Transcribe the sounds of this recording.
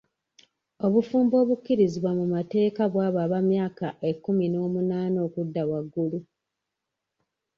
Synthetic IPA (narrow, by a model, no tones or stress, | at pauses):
o̞βufuːmbo̞ːβukːiɾiziβwamumate̞ːkaβwaːβaːβamjaːkaʔe̞kːumino̞ːmunaːnoːkudːawaɡːulu